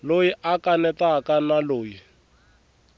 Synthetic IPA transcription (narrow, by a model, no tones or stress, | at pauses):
lojiʔakʼanɛtakanaloːji